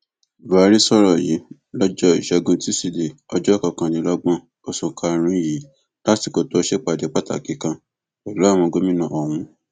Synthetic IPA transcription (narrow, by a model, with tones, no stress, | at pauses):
va˨˦ɾi˦sɔ˦ɾɔ˦˨ji˨˦ | lɔ˦d͡ʒɔ˦i˨ʃɛ˧ɡũ˧ti˦si˦˨de˨ | ɔ˧d͡ʒɔ˦˨kã˨˧˨kã˧nĩ˨˧˦lɔ˦ɡ͡bɔ̃˦ | o˨sũ˨kʰa˧ɾ̃ĩ˦ji˨˦ | la˦ti˨˧˨ko˧to˦ʃe˦k͡pa˨de˨˦k͡pa˦ta̰˦˨ki˨˦kã˧ | wa˨lu˦a˦˨w̃ɔ̃˧ɡo˦mĩ˦nã˧˨ɔ˨w̃ũ˧